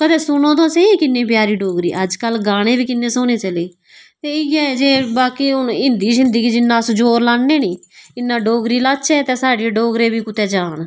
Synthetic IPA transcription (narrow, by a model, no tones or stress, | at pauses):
kəd̪eːsʊnõːt̪õːsẽːiːkɪnːẽːpjaːɾiːɖoːɡɾḭːʔəd͡ʒkəlɡaːɽ̃eːbiːkɪnːẽːsoːneːt͡ʃəleː | t̪eːɪjɛːd͡ʒeːbaːkiːʊnɪnd̪iːzɪnd̪əɡiːd͡ʒɪnːãːsd͡ʒoːɾlaːɳːeːniːɪnːãːɖoːɡɾiːlaːt͡ʃɛːt̪eːsaːɖeeɖoːɡɾeːbiːkʊt̪ɛːd͡ʒaːn